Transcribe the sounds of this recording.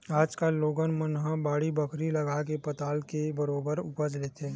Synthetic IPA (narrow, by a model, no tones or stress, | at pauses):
aːd͡ʒkaloːɡənmənɦãbaːɽibəkʰɾiləɡakepət̪aːlkebəɾoːbəɾʊpəd͡ʒlet̪ʰeː